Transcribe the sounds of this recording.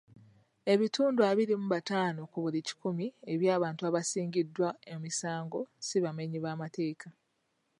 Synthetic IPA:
e̞βituːnduaβiɾimuβataːnokuβulici̥kumie̞βjaːβaːntuaβasiːɲɟidːwaemisaːŋɡo̞siβameɲiβaːmate̞ːka

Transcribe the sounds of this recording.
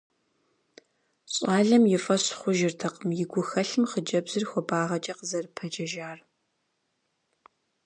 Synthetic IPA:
ɕʼaːɮɐmjɪfʼɐɕχʷʊʒɪrtʰɐqʼəmjɪɡʷʊxɐɬɨmχəd͡ʒɐbzɨrxʷɔbaːʁɐt͡ʃʼɐqəzɐrpʰɐd͡ʒɐʒaːr

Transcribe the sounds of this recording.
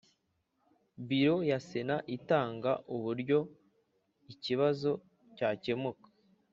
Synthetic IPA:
biɾo̞jasenaʔitaːŋɡa̰ʔuβuɾɟo̞ | iciβazo̞ | caːce̞mukḁ

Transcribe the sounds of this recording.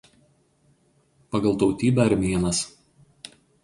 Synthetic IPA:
pɐɡɐlˠt̪ɒʊt̪ʲiːbʲɛɐɾʲmʲiɛnɐs

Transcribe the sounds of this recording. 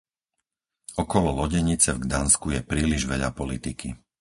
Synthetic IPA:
ɔkɔlɔlɔɟɛɲit͡sɛvɡd̪anskujɛpɾiːliʒʋɛʎa̰pɔlit̪iki

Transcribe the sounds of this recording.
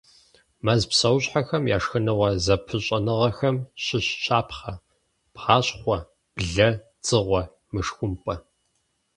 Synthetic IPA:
mɐzpsɐwɕħɐxɐmja̰ːʂxɨnɨʁʷɐzɐpʰɨɕʼɐnɨʁɐxɐmɕɪɕɕʰaːpχɐ | pħaːɕχʷɔ | b̥ɮɐt͡sʼɨʁʷɔ | mɨʂxʷʊmpʼɐ

